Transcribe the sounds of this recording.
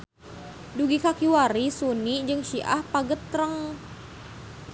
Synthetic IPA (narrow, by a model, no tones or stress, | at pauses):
duɡikakiwaɾisunid͡ʒɨŋʃiʔa̰hpaɡət̪ɾəŋ